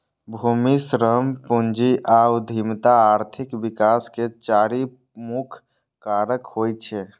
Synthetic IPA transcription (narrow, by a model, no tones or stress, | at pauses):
bʱumisɾəmpund͡ʒiʔawd̪ʱimt̪aːɾt̪ʰikbikasket͡ʃaɾi | mukʰ | kːaɾəkɦojt͡ʃʰɛ